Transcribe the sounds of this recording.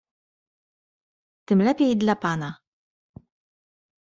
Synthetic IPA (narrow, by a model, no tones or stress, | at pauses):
t̪ɪmlɛpid̪lɐpɐnɐ